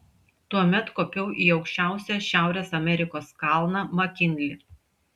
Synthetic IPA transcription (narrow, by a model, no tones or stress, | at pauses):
t̪uɔmʲɛt̪koːpʲɛʊʔiːɒʊkʃʲt͡ʃʲæˑʊsʲæˑʃʲæˑʊɾʲeːsɐmʲɛɾʲɪkoːskɑˑlˠnɑmɐkʲɪnʲlʲɪ